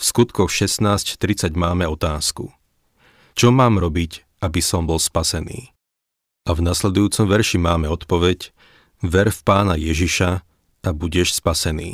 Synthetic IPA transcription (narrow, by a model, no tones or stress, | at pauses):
fskut̪kɔxʃɛsnaːsct̪ɾit͡saɟmaːmɛɔt̪aːsku | t͡ʃɔmaːmɾɔbic | abisɔmbɔlspasɛnḭː | ʔavnaslɛd̪ujuːt͡sɔmʋɛɾʃimaːmɛɔt̪pɔʋɛc | ʋɛɾfpaːnajɛʒiʃa | ʔabuɟɛʃspasɛnḭː